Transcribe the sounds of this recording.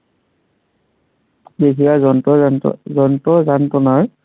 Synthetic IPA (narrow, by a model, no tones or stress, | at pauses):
besijazɔnɔzɔntɔzantɔnaɹ